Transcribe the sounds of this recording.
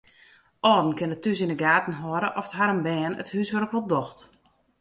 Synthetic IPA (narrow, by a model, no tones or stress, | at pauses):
ʔɔːdn̩kɪnətys̬inəɡaːtn̩ɦɔːɾəʔɔfə̥tɦaɾəmbɛːnə̰thyːsʋərəkʋɔlˠdɔxt